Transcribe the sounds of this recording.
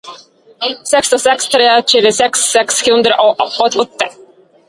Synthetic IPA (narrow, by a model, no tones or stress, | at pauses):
sɛkst̪ɔsɛkst̪ʰɾeːɕyvɪsɛksːɛkskɵnd̪əɾʔɔɔt̪ɔt̪ːə